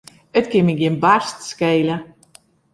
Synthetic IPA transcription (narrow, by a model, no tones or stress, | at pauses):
ətkɪmɪɡinbarstskejlə